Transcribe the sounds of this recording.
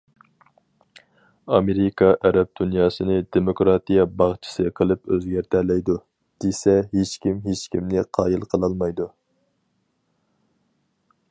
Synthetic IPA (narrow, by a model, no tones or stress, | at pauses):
ɑmeɾikʰɑʔæɾɛp̚d̪unjɑːsɨnɨd̪emokɾɑt̪ijɑbɑχt͡ʃʰi̥sɨqʰəlˠɨpøzɡʲæɾt̪ʰælɛjd̪u | d̪̥esɛɦet͡ʃkʲimɦet͡ʃkʲʰimnɪqʰɑːjilˠqʰəlˠɑlˠmɑjd̪u